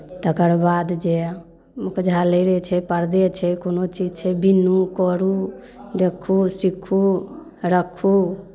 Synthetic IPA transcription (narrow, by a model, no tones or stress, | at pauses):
t̪əkəɾbad̪d͡ʒe | mukd͡ʒʱaləɾɛt͡ʃʰɛpəɾd̪et͡ʃʰɛkonot͡ʃid͡ʒt͡ʃʰɛbinukɔɾu | d̪ekʰːusikʰːu | ɾəkʰːu